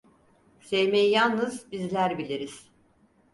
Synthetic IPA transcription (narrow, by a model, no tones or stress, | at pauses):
sejmejijalˠnɯzbizlʲæɾbilʲiɾiz̥